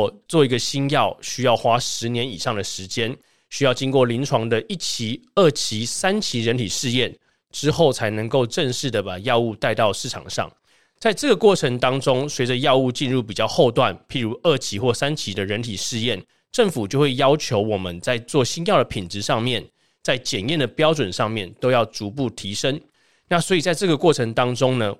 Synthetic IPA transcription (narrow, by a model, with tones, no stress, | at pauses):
t͡swɔ˥˩i˧˥ɡə˨ɕi˥njɑ˥˩ʊɕy˥jɑ˥˩ʊxwa˥ʂɻ̩˧˦njɛ˧˦nḭ˨˩ʂɑ˥˩ŋd̪ə˩ʂɻ̩˧˦˥t͡ɕjɛ˥n | ɕy˥jɑ˥˩ʊt͡ɕi˥ŋkwɔ˥˩li˧˥nʈ͡ʂʰwɑ˧˥ŋd̪ə˧ʔi˥˩t͡ɕʰi˧˥ə˥˩t͡ɕʰi˧˥sa˥nt͡ɕʰi˧˥ɻə˧˦nt̪ʰi˨˩ʂɻ̩˥˧jɛ˥˩n | ʈ͡ʂɻ̩˥xo˥˩ʊt͡sʰa˧˥ɪnə˧˥ŋko˥˧ʊʈ͡ʂə˥˧ŋʂɻ̩˥˩d̪ə˩pa˨˩jɑ˥˧ʊu˥˧t̪a˥˧ɪt̪ɑ˥˧ʊʂɻ̩˥˩ʈ͡ʂʰɑ̰˨˩ŋʂɑ̰˥˩ŋ | t͡sa˥˧ɪʈ͡ʂɤ˥˩ɡə˩kwɔ˥˩ʈ͡ʂʰə˧˥ŋt̪ɑ˥ŋʈ͡ʂo˥ŋswe˧˥ɪd͡ʒə˨jɑ˥˧ʊu˥˧t͡ɕi˥˧nɻu˥˩pi˨˩t͡ɕjɑ˥˧ʊxo˥˧ʊt̪wa˥˨npʰi˧˥ɻu˧˥ʔə˥˩t͡ɕʰi˧˥xwɔ˥˩sa˦nt͡ɕʰi˧˥d̪ə˧ɻə˧˥nt̪ʰi˨˩ʂɻ̩˥˧jɛ˥˩n | ʈ͡ʂə˥˩ŋfu˨˩t͡ɕjo˥˧ʊxwe˥˩ɪjɑ˥ʊt͡ɕʰjo˧˥ʊwɔ˨˩mə˦nt͡sa˥˧ɪt͡swɔ˥˩ɕi˥njɑ˥˩ʊd̪ə˩pʰi˨˩nt͡sɻ̩˧˦ʂɑ˥˧ŋmjɛ˥˨n | t͡sa˥˩ɪt͡ɕjɛ˨˩njɛ˥˩nd̪ə˩pjɑ˥ʊʈ͡ʂwə˨˩nʂɑ˥˧ŋmjɛ˥˩nt̪o˥ʊjɑ˥˩ʊt͡su˧˥p̬u˥˩t̪ʰi˧˥ʂə˦ŋ | na˥˩swɔ˧˥i˨˩t͡sa˥˧ɪʈ͡ʂɤ˥˩ɡə˩kwɔ˥˩ʈ͡ʂʰə˧˥ŋt̪ɑ˥ŋʈ͡ʂo˥ŋnə˨